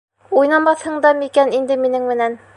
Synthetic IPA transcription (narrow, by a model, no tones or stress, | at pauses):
ujnɑmɑθhɤ̆ɴd̪ɑmikænind̪ɘminɘŋmɘ̆næn